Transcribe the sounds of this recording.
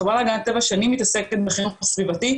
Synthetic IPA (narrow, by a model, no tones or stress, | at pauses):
valaɡanat̪ːevaʃanimːit̪ase̞ket̪̚beχinufsvivat̪i